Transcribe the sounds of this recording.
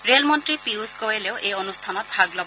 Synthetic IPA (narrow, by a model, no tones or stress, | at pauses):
ɾelmɔntɾipiuskɔeleʊʔejɔnust̪ʰanɔt̪bʱaɡlɔb